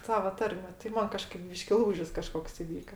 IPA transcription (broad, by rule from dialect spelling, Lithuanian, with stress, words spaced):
ˈsɑːʋɐ ˈtɐrʲmʲɛ tɐɪ ˈmɐn kɐˈʃkɐɪp ˈbʲiːʃʲkʲɪ ˈlˠuːʒʲɪs kɐˈʃkoːks ɪˈʋʲiːkɐ